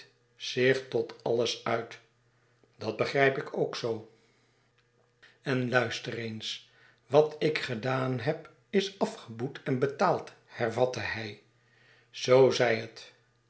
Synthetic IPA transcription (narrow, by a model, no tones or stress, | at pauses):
z̥ɪχtɔtʰɑ̰ləsœɥt | dɑd̚bəχrɛjpɪkʰowksow | ɛnlœɥstərens | ʋɑtɪkχədaːnɦɛp | ɪsɑfχəbutʰɛnbətaːlˠt | hɛrvɑtəhɛj | z̥owzɛjɦət